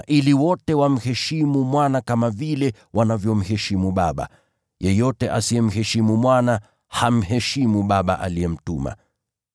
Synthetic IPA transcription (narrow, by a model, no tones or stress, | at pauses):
ʔiliwɔtɛwam̩hɛʃimumwanakamavilɛ | wanavjɔm̩hɛʃimuɓaɓa̰ | jɛjɔtɛʔasiɛm̩hɛʃimumwana | ham̩ɦɛʃimuɓaɓa̰ʔa̰liɛm̩tuma̰